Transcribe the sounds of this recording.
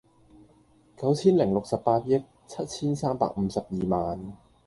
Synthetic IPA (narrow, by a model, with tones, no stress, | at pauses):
kɐ˨˥wt͡sʰiː˥nlɪ˨˩ŋlʊ˨k̚sɐ˨ppaː˧t̚jɪ˥k̚ | t͡sʰɐ˦˥t̚t͡sʰiː˥nsaː˥mpa̰ː˨k̚m̩˨˧sɐ˨˩p̚jiː˨maː˨n